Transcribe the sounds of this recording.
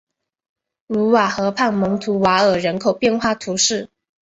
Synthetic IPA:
lu˧˥wa˨˩xɤ˧˥pʰa˥˩nmɤ˧˥ŋt̪ʰu˧˥wa˧˥ə˨˩ɻə˧˥nkʰo˨˩ʊpjɛ˥˧nxwa˥˩t̪ʰu˧˥ʂɻ̩˥˩

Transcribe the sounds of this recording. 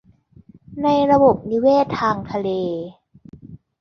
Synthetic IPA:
na˧jɾa˧bo˨˩p̚ni˧˦˥weː˥˩t̪ʰːaː˧ŋt̪ʰa˧leː˧

